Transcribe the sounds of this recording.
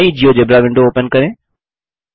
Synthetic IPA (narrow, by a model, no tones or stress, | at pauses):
ĩd͡ʑijoːd͡ʑebɾaʋɪ̃ɳɖoːpənkɐɾeː